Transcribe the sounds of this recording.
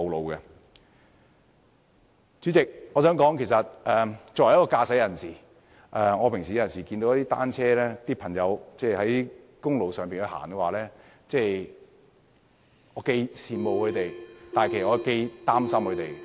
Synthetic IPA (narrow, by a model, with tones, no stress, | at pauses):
o˨wlo˨wkɛ˧ | t͡ʃyː˨˥t͡sɪ˨k̚ŋɔː˨˧sœː˨˥ŋkɔː˨˥ŋkʰe˨˩sɐ˨t̚ʔɛː˨t͡sɔ˨wɐ˨˩jɐ˥kɔː˧kaː˧sɐ˨˥jɐ˨˩nsiː˨˩ | ʔɛː˨ŋɔː˨˧pʰɪ˨ŋsi˨˧jɐ˨˩nsiː˨˩kiː˧nt̪o˧˦jt̪iː˥t̪a̰ː˥nt͡ʃʰɛː˥lɛː˥t̪iː˥pʰɐ˨˩ŋjɐ˨˧wt͡sɛː˥˩hɐ˨˦ji˥ | kʊ˥ŋlo˨wsœː˨ŋpiː˨nkɵ˨˧ha̰ː˨˩nkɛ˧waː˨˩lɛː˥ | t͡sɛː˥˩ | ŋɔː˨˧ke˧jsiː˨mo˨wkʰɵ˨˧t̪e˨jt̪aː˨jkʰːsŋɔː˧ke˧jt̪aː˥msɐ˥mkʰɵ˨˧t̪e˨j